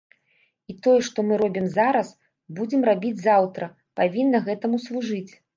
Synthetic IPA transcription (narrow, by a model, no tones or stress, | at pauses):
it̪ɔjɛʂt̪ɔmɨɾɔbʲimzaɾɐs | bud͡zʲɛmrabʲid͡zʲzawt̪ɾɐ | pavʲinːɐɣɛt̪ɐmuslˠuʐɨt͡sʲ